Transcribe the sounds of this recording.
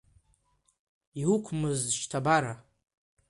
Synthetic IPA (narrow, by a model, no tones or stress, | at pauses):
iwukʷʰmɨzʃtʰabaɾa